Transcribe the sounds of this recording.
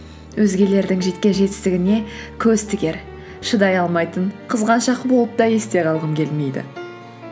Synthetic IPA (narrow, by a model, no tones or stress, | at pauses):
wʔɵzɡʲe̞le̞ɾd̪ɪŋʒe̞t̪kʲe̞ʒe̞t̪ɪ̥st̪ɪɡʲɪne̞kʲʰɵzt̪ʰɪɡʲe̞ɾ | ʃəd̪ɑjɑlˠmɑjt̪əɴqʰəzʁɑnʃɑqbo̞lˠəp̚d̪ɑje̞st̪e̞ʁʰɑlˠʁəmkʲʰe̞lme̞jd̪ɪ̰